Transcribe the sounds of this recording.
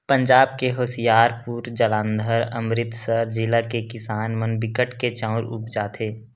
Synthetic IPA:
pə̃ɲd͡ʒaːbkeɦoːsijaːɾpuːɾd͡ʒəlãːnd̪ʱəɾə̰mɾɪt̪səɾd͡ʒɪlakekɪsaːnmənbɪkəʈket͡ʃãʊ̃ɾʊ̰pd͡ʒaːt̪ʰeː

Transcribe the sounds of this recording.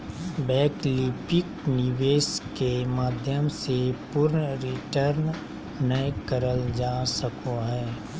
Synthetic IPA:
bɛːkliːpɪknɪʋeːskemaːd̪ʱjəmsepʊɾnɾɪʈəɾn | nəjkəɾəld͡ʒaːsəkoɦɛː

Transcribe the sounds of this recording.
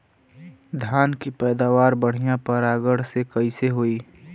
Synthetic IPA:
d̪ʱjaːnkipɛːd̪aːʋaːɾbəɽ̤ijãpɐɾaːɡəɽ̤sekɐiseɦoiː

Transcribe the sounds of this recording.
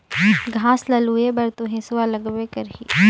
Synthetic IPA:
ɡʱãːslɐluːebɐɾt̪uɦẽsʊalɐɡʋekɐɾɦḭː

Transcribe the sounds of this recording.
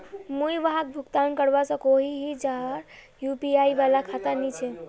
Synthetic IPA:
mujʋaɦak̚bʱukt̪ankəɾbasə̃koɦiɦid͡ʒaɦəɾ | jupiaibalakʰat̪əɾnit͡ʃʰɛ

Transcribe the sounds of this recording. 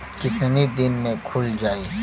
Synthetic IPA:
kɪt̪nid̪ɪnmẽkʰʊld͡ʒaːe

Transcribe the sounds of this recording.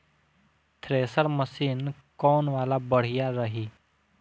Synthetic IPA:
t̪ʰɾeːsəɾməsiːn | kɔːnʋaːlabəɽ̤ijaɾəɦiː

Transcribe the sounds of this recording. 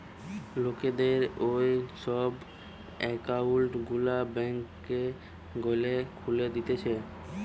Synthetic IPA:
loked̪eɾojʃɔb | ɛkaulʈɡulabɛŋkː | e | ɡolekʰuled̪it̪et͡ɕʰe

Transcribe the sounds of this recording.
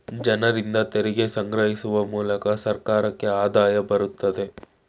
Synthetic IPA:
d͡ʒɐnɐɾind̪ɐt̪eɾiɡesɐŋɡɾɐɦisuʋɐmuːlɐkɐsɐɾkaːɾɐkːe̞aːd̪aːjɐbɐɾut̪ːɐd̪e̞

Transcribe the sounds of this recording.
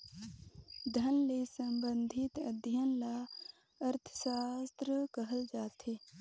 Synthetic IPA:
d̪ʱənlesəmbənd̪ʱit̪əd̪ʱjənla | əɾt̪ʰə̥saːst̪ɾəkəɦəld͡ʒaːt̪ʰe

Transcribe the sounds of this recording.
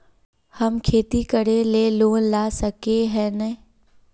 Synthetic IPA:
hɐmkʰeːt̪ikəɽeleːloːnlaːsɐkeɦɛːnɛ

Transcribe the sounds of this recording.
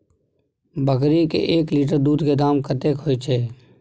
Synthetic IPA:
bʱəkɾikḛʔeːkliːʈ̬əɾd̪uːd̪ʱked̪aːmkʰət̪ekʰoːet͡ʃʰeː

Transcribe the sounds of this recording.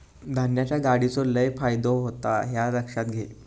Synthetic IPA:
d̪ʱanjat͡ɕjaɡaɽit͡soləjfajd̪oɦot̪aɦjaɾəkʂat̪ɡʱe

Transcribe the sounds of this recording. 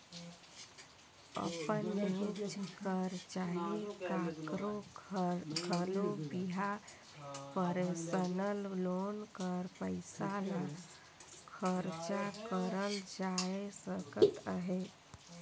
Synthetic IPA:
ə̰pənmit͡ʃʰkʰəɾt͡ʃaɦikakɾo | ɡʰʱəlobiɦa | pəɾesənəllonkəɾpəɪsala | kʰəɾt͡ʃakəɾəld͡ʒaesəkə̰t̪əɦe

